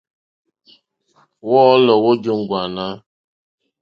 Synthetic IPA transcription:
wɔ˦lɔ˨wo˦d͡ʒo˦ŋ̩˨ɡʷa˨na˦

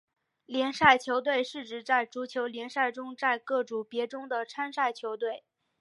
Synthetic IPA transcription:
ljɛ˧˥nʂa˥˩ɪt͡ɕʰjo˧˥ʊt̪̬we˥˧ɪʂɻ̩˥˩ʈ͡ʂɻ̩˧˥t͡sa˥˩ɪʈ͡ʂu˧˥t͡ɕʰjo˧˥ʊljɛ˧˥nʂa˥˩ɪʈ͡ʂʊ˥ŋt͡sa˥˧ɪkɤ˥˩ʈ͡ʂu˨˩ŋpjɛ˧˥ʈ͡ʂʊ˥ŋd̪ə˨ʈ͡ʂʰa˥nʂa˥˩ɪt͡ɕʰjo˧˥ʊt̪we˥˩ɪ

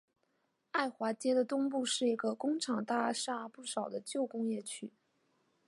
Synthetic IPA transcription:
a˥˩ɪxwa˧˥t͡ɕjɛ˥d̪ə˨t̪ʊ˥ŋpu˥˧ʂɻ̩˥˩i˧˥ɡə˧kʊ˥ŋʈ͡ʂʰɑ˨˩ŋt̪a˥˩ʂa˥˧pu˥˩ʂɑ˨˩ʊd̪ə˦t͡ɕjo˥˩ʊkʊ˥ŋjɛ˥˩t͡ɕʰy˥

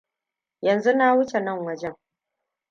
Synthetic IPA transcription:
jɐ˨nzu˦na˦wʊ˦t͡ʃe˨nɐ˦˨ŋwɐ˦d͡ʒɛ˦ŋ

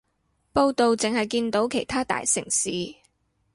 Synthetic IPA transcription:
po˧wt̪o˨wt͡sɪ˨ŋhɐ˨jkiː˧nt̪o˨˥wkʰe˨˩jt̪ʰaː˥t̪a̰ː˨jsɪ̰˨˩ŋsiː˨

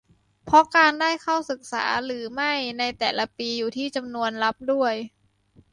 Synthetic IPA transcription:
pʰɔ˦˥kaː˧ndaː˥˩jkʰa˥˩wsɯ˨˩k̚sa̰ː˩˦ɾɯː˩˦ma˥˩jna˧jt̪ɛː˨˩la˧˥piː˧juː˨˩t̪ʰiː˥˩t͡ɕa˧mnu˧ənla˦˥p̚du˥˩əj

